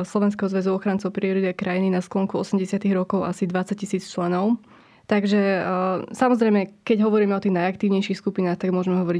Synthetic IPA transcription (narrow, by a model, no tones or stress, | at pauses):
slɔʋɛns̬kɛɦɔzʋɛzuɔxɾant͡sɔʊpɾiɔɾit̪akɾajininasklɔŋkuɔsɛmɟɛsɪat̪iɣɾɔkɔʊʔasid̪ʋat͡sac̚cisiːt͡st͡ʃlɛnɔʊ | t̪aɡʒɛ | samɔzɾɛjmɛkɛɟɦɔʋɔɾiːmɛɔt̪iːɣnajakt̪iːʊɲɛjʃixskupinaːxt̪aɡmʊɔʒmɛɦɔʋɔɾi